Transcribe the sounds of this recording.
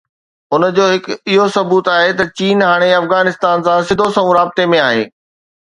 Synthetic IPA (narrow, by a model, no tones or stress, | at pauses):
ʊnd͡ʑoːɦɪkɪɦosɐbuːt̪aːɦet̪ɐt͡ɕiːnɦaːɽ̃eɐfɣaːnɪst̪aːnsãsɪd̪ʱosɐʋũɾaːbɪt̪emẽaːɦḛː